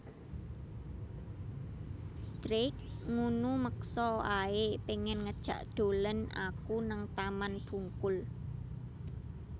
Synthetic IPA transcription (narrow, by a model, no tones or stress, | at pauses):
d̪̥ɾɪk̚ŋunuməksɔaepeŋɛnŋəd̥ʒ̥a̤ʔd̪̥o̤ləna̰kunaŋt̪amanb̥ṳŋkʊl